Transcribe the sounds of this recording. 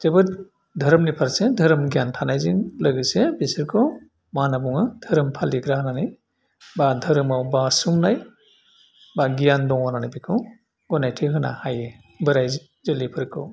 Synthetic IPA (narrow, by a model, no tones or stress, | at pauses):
z̥ebɯɾ | dʱɐɾɯmnipʰaɾsedʱəɾɯmɡijantʰanajziŋlɯɡɯsebisɯɾkʰɔ | manabuŋɯdʱɯɾɯmpʰaliɡɾahnanɯj | badʱɯɾɯmawbasumnaj | baɡijandɔŋwananajbikʰɯ | ɡɔnajtʰiɦɯna̰haje | bɯɾaj | zɯlipʰɯɾkʰɯ̰w